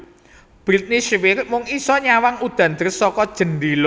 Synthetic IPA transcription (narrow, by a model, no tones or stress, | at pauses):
b̥ɾit̪̚niʃwɪɾmʊŋisɔɲawaŋud̪̥a̤nd̪əɾsɔkɔd̥ʒ̥ə̤nɖilo